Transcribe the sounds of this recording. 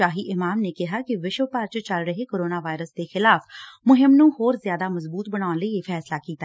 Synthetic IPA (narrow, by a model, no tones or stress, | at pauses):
aːɦiːʔɪmaːmneːkɪɦaːkɪʋɪʃʋpaɾt͡ʃət͡ʃəlɾəɦeːkoːɾoːnaːʋaːɪɾəsd̪eːxɪlaːfmʊɦɪmnũːhoːɾzjaːd̪aːməzbuːt̪̚bəɽ̃aːnləiefʰɛːslaːkiːt̪a